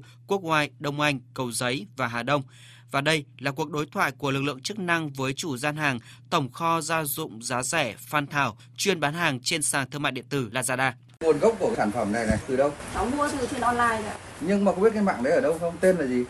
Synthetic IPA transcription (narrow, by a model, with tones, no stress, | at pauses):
ku˦˥ək̚waː˧˩jɗə˧wŋ͡mʔa˧jŋ̟kə˨˩wzə˨˦jvaː˨˩ɦaː˨˩ɗə˧wŋ͡m | vaː˨˩ɗə˧jlaː˨˩ku˨˩ək̚ɗo˨˦jt̪ʰwa̰ː˧˨jku˧˩əlɨ˨˩k̚lɨ̰˧˨əŋt͡ɕɨ˦˥k̚na˧ŋvəː˨˦jt͡ɕu˧˩zaː˧nɦaː˨˩ŋ | t̪ə˧˩wŋ͡mxɔ˧zaː˧zʊ̰˧˨ŋ͡mzaː˨˦zɛ˧˩faː˧nt̪ʰaː˧˩w | t͡ɕwi˧ənɓaː˨˦nhaː˨˩ŋt͡ɕe˧nsaː˨˩ŋt̪ʰɨ˧ŋma̰ː˧˨jɗḭ˧˨ət̪ɨ˧˩la̰ː˧zaː˧ɗaː˧ | mu˨˩ənɣə˦˥p̚ku˧˩ə˩˨saː˧˩nfə˧˩mna˨˩jna˨˩jt̪ɨ˨˩ɗə˧wsa˨˦wmu˧ət̪ɨ˨˩t̪ʰe˧nʔɔ˧nlaː˧ja˧˨ɲɨ˧ŋmaː˨˩xŋ͡mɓt̚ka˧jma̰ː˧˨ŋɗə˨˦jəː˧˩ɗə˧wŋ͡mt̪e˧nlaː˨˩zi˨˩